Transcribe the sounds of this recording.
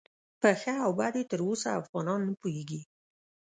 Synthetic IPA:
pəxəawbɑd̪jet̪əɾosaafɣɑnɑnːəpujeɡi

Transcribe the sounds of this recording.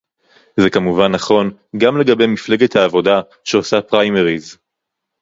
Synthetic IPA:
zekamuvanːaχo̞nɡamle̞ɡabe̞jmifle̞ɡet̪haːvo̞da | ʃeosapʁajmeʁiz

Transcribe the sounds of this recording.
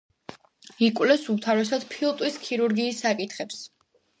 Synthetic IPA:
ikʼwlɛsumt̪ʰaɾɛsad̪̥pʰilˠt̪ʼwiskʰiɾuɾɡiːsːakʼit̪ʰχɛps

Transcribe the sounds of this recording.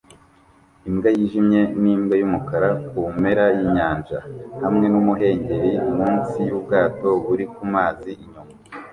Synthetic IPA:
imɡajiʒimɲe̞niːmɡejumukaɾakume̞ɾajiɲaːnʒa̰hamŋe̞numuɦe̞ːɲɟe̞ɾimuːnsijub̚ɡaːto̞βuɾikumaːziʔiɲuma

